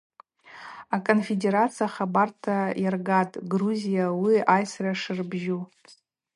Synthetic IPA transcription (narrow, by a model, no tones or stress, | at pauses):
akʼonfede̞ɾat͡sʰijaχabartʰajarɡatʼɡruzijawiajsraʂɨrbʒu